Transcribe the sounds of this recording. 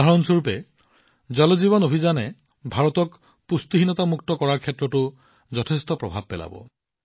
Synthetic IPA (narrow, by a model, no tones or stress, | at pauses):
aɹɔnsuɹpɛ | zɔlɔzibɔnobʱizanɛ | bʱaɹɔt̪ɔk | pust̪iɦinɔt̪amuktɔkɔɹaɹkʰɛtɹɔtʊ | zɔtʰest̪ɔpɹɔbʱa̰b̚pɛla̰bɔ̰